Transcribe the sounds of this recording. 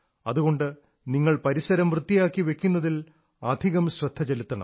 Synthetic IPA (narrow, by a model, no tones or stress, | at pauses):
ɐðuɣo̞ɳɖɨ | niŋːɐɭpɐɾisɐɾɐmʋrɨt̪ːijaːkːiʋe̞kʲːunːɐðil | ɐd̪ʱiɣɐmɕrɐd̪ʱːɐt͡ɕe̞lit̪ːɐɳɐ̰m